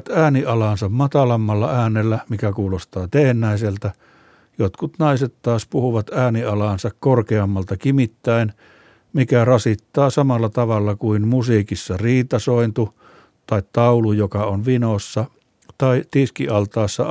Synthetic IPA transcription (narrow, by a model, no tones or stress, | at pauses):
t̪æːniɑlɑnsɑmmɑt̪ɑlɑmːɑlːɑæːnːelːæmikækuːlost̪ɑːt̪eːnːæˑiselt̪æ | jot̪kut̪nɑiset̪t̪ɑːspuhuʋɑt̪æːniɑlɑˑnsɑkkorkeɑmːɑlt̪ɑkimit̪ːæin | mikærɑsit̪ːɑːsɑmɑlːɑt̪ɑʋɑlːɑkuinmusiːkisːɑriːt̪ɑsoint̪u | t̪ɑit̪t̪ɑulujokɑonʋinosːɑ | t̪ɑit̪iskiɑlt̪ɑˑːsːɑ